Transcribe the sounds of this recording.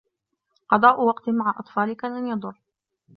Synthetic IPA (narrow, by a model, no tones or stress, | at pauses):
qɑd̪ˤɑːʔʊwɑqt̪ɪmaʕaʔɑt̪ˤfɑːlɪkaːnanjɑd̪ˤʊrː